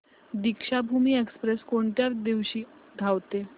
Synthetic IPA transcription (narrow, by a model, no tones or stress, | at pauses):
d̪ikʂabʱumiːekspɾeskoɳt̪jaɾd̪iʋɕiːd̪ʱawt̪e